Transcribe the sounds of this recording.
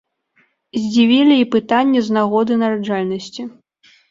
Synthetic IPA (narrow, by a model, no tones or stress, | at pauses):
zʲd͡zʲivʲilʲiipɨt̪anʲːɛznaɣɔd̪ɨnɐɾaʐalʲnɐsʲt͡sʲi